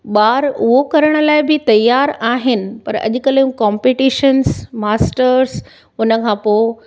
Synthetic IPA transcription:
ɓaːɾʊɦokɐɾəɽ̃ə̆laːɪbʱɪt̪ɐjːaːɾaːɦɪnɪ̆pɐ̰ɾɐ̰ʄʊkɐlũkaːmpeʈiːʃənsmaːsʈəɾɾs | ʊnəkʰãːpoːɪ

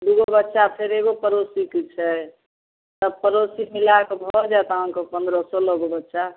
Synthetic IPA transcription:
d̪uɡobətːʃapʰeɾeɡopəɾosikit͡ʃʰɛ | t̪əpəɾosimilakɔbʱɔd͡ʒat̪aonkɔpə̃nd̪ɾɔsɔlɔɡobətːʃa

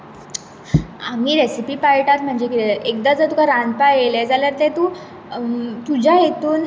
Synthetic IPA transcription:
amiːɾesipiːpajiʈat̪m̤əɳd͡zekieek̚d̪ad͡zət̪ukʰaɾanpajelɛd͡zaləɾt̪ɛ̃t̪uː | t̪ud͡ʑʱajet̪uːn

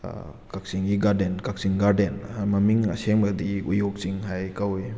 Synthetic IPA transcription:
kak̚siŋɡiɡaɾdenkak̚siŋɡaɾdenmɐmiŋa̰seŋbadiujok̚t͡ʃiŋɦajkawej

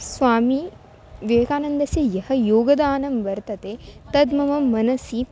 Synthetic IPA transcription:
sʋaːmi | ʋeːkaːnɐnd̪ɐsjɐjɐhɐjoːɡɐd̪aːnɐmʋɐɾt̪ɐt̪eːt̪ɐd̪mɐmɐmːɐnɐsi

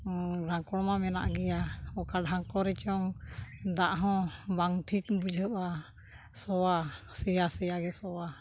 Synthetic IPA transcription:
ɾaŋkɔɽmamɛna̰ʔɡɛjaɔkaɖɦaŋkɔɾɛt͡ʃɔŋd̪aʔɦɔ̃baŋt̪ʰik̚bud͡ʒəba | sɔwasɛjasɛjaɡɛsɔwa

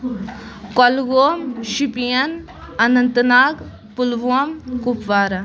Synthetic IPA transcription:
kolɡoːmʃipijɐn | ɐnɐnt̪naːɡ | pulʋuɐmkupʋaːɾɐ

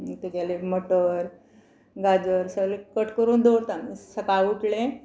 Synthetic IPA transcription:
t̪ekalemoʈəɾ | ɡad͡zəɾsəlekəʈkəɾuːnd̪oɾt̪amisəkauʈlẽ

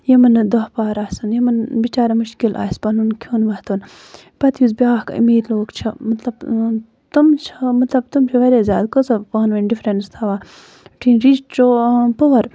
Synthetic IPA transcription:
jɐmɐnd̪ɐhpaːɾaːsɐnjɐmɐnbit͡ʃaːɾɐmuʃkilʔa̰ːspɐnunkʰuːnʋɐht̪on | pɐt̪ʰjuzbʲaːhkḭmiːɾloːkt͡ʃʰɐmɐt̪lɐb | t̪umt͡ʃʰɐmɐt̪lɐb̚t̪umt͡ʃʰuʋɐɾeːzjaːd̪kozɐpɐːnʋɐnɖifɾenst̪ʰaʋaː | ʈʰinɾit͡ʃt͡ʃoːpoʋɐɾ

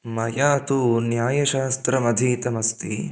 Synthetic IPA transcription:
mɐjaːt̪unjaːjɐʃaːst̪ɾɐmɐd̪ʱiːt̪ɐmɐst̪ḭ

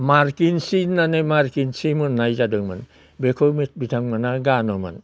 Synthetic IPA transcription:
maɾkinsinːanɯmaɾkinsimunːajd͡ʒadɯŋma̰n | bekʰomit̚bitʰaŋmanaɡanɔma̰n

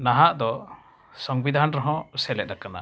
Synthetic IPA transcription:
naɦaʔd̪ɔ | sɔŋbid̪ʱanɾɔɦɔ̃sɛlɛt̪̚d̪akana̰

